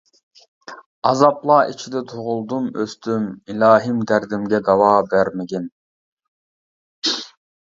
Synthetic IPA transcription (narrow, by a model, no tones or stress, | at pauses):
ɑzɑplˠɑːit͡ʃʰid̪ɛt̪ʰoʁʊlˠd̪umøst̪ymilɑːɦimd̪æɾd̪ɪmɡʲɛd̪ɑwɑːbæɾmɪɡʲin